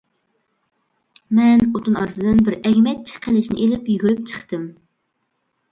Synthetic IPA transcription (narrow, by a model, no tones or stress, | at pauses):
mɛnot̪ʰunɑ̰ɾɨsɨd̪ɨnbɪɾɛɡʲmɛt̪̚t͡ʃʰi̥qʰelɪʃnɪ̰ʔelɪpjyɡʲyɾyp̚t͡ʃʰə̥χt̪ɨm